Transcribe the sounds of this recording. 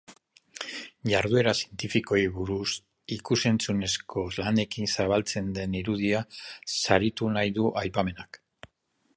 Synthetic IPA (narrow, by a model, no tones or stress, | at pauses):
jaɾðue̞ɾasije̞nt̪ifiko̞iβuɾus | ikuse̞nt͡sune̞skʰo̞lane̞kinsaβ̞alt͡se̞nd̪e̞niɾuðiasaɾit̪unajðuʔajpame̞nak